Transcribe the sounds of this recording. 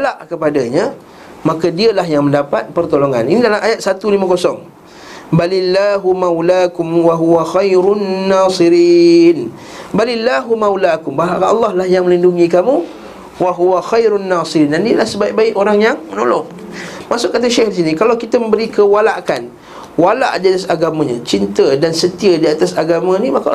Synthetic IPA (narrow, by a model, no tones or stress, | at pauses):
walaʔkəpadaɲa | makadiəlahjaŋmə̃ndapat̪̚pərt̪oloŋa̰ninidalamʔajat̪̚sat̪ulimakosɔŋ | balilːaɦumawlakʊmwaɦuaxajɾunːaːsiɾiːn | balilːaɦumawlakʊmbaɦaɑ̰lːɑhlahjaŋmə̃linduŋikamũ | waɦuaxajɾunːasiɾiːndandiəlahsəbaiʔbaɪʔoɾaŋjaŋməno̰lɔ̰ŋ | masʊʔkːat̪̬aʃɛhdis̬inikalawkit̪əmə̃mbəɾikəwalaʔkan | wala̰ʔdiat̪asaɡamãɲãt͡ʃint̪ədansət̪iədiat̪asaɡamãnimaka